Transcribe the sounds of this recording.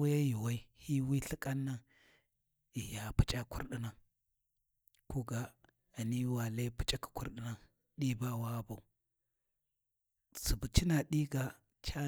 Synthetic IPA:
u˦ja˦ji˨wa˦i˦hi˦wi˦ɬi˦kʼa˦nːa˦ | i˨ja˨pu̥˦t͡ʃʼa˦kṵ˦ɾɗi˦na˨ | ku˦ɡa˨ | a˨ni˦wa˨le˦pu̥˦t͡ʃʼa˦ki̥˨ku˦ɾɗi˦na˦ | ɗi˦ba˦˨wa˦ba˨u˨ | su˨bu˨t͡ʃi˦na˨ɗi˦ɡa˨ | t͡ʃa˦

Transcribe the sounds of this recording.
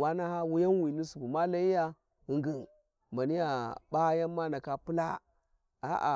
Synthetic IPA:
wa˦na˦ha˦wu˦ja˦nwi˨ni˦su˨bu˨ma˦la˦i˦ja˦ | i˨ŋɡə˨ | ma˨ni˦ja˨ba˦ja˦mːa˦na˨ka˨pu˦la˦ | a̰˦ʔa̰˨

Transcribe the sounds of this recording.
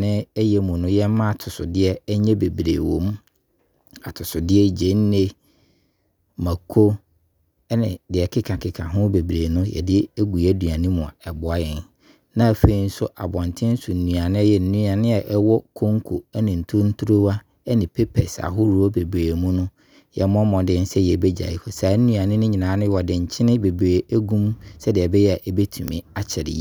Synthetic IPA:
nɪ̃˦ɛ˦jɛ˦mũ˨nʊ̃˦jɛ˦mã˦a˨tʰʊ˨sʊ̰˨dɪ˦ɛ˦ɛ˦ɲɛ̃˦be˨bɾḛː˨wõ̰˨m˦ | a˨tʰʊ˨sʊ˨dɪ˦ɛ˦d͡ʑẽ˦n˦ne˦ | ma˨kʰo˦ | ɛ˦nɪ̰̃˨dɪ˨ɛ˨kʰɪ˦kʰã˨kʰɪ˨kʰã˨ɦʊ̃˦be˨bɾe˨nʊ̃˦jɛ̰˨dɪ˦ɛ˦ɡu˨ɛ˦du˨a˨nĩ˦mʊ̃˨a̰˨ɛ˨bʊ˨a˦jɪ˨n | nã˦˨fe˨˦i˦n̩˦sʊ˦ʔa̰˨bɔ̃˨ntʰɪ̃˦n̩˦sʊ˨n̩˨nũ˨a˨nɪ̃˦jɛ˨n̩˦nũ˦a˨nɪ̃˦ɛ˨ʔɛ˦wɔ˦kʰo˦ŋ˦kʰo˨ɛ˦nɪ̃˨n̩˨tʰʊ̃˦n̩˦tʰu˦ɾo˦wa˦ | ɛ˦nɪ̃˨pʰe˦pʰɛ̰˨sa̰˨ɦʊ˦ɾu˨˦o˦be˨bɾeː˨mũ˦nʊ̃˦ | jɛ˨mɔ̃˦mɔ̃˨dɪ˨n˦sɛ˦jɛ˨bɛ˦d͡ʑa̰˨i˦fʊ˨saː˨˦n̩˦nũ˦a˨nɪ̃˦nʊ̃˦ɲĩ˨nã˨˦nʊ̃˦wɔ˨dɪ̃˨ɲ̩˨t͡ɕʰɪ˦nɪ̃˦be˨bɾe˨æ˦ɡũ˦msɛ˦dɪ˨ɛ˨bɛ˦jɛ˦˨ʔɛ˦be˦tʰũ˨mɪ̃˨a˨t͡ɕʰɪ˨ɾɪ̰˨ji˦

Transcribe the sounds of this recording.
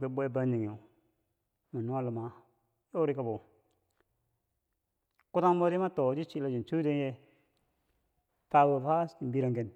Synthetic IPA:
ke˨bʷe˦ba˦ni˨ŋ˨o˨ | ma˨nu˦a˦lə˨ma˨ | jo˦ɾi˦ka˦bo˨ | ku˦ta˦ŋ˦bo˦di˦ma˦to˨˦d͡ʒi˦t͡ʃi˦˨la˨d͡ʒi˨t͡ʃu˦de˦nje˦ | fa˦bo˨fa˦i˨bi˦ɾa˨ŋke˨n

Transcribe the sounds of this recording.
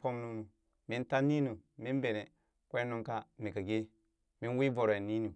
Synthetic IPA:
po˦mnu˦nu˨ | mi˦nta˦ni˦nu˨mi˦nbe˨ne˨ | kʷe˦nu˦ŋka˦mi˨ka˨ɡe˦ | mi˦n˦wi˦vo˨ɾe˨ni˦nu˨

